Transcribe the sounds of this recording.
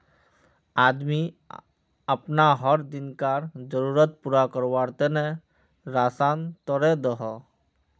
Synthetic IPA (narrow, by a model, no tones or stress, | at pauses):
ad̪mi | əpnaɦɔɾd̪inkaɾd͡ʒɔɾuɾət̪̚puɾakɔɾwaɾt̪ɛnɛ | ɾasant̪ɔɾɛd̪ɔɦɔ